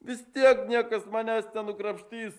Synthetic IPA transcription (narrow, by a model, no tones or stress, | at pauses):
ʋʲɪst̪ʲiɛknʲiɛkɐsmɑːnʲæːsnʲɛnʊkɾɐpʲʃʲt̪ʲiːs